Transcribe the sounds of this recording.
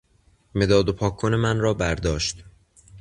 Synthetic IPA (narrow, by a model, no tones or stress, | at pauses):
me̞d̪ɒːd̪opʰɒːkʰːone̞mænrɒːbæɾd̪ɒːʃt̪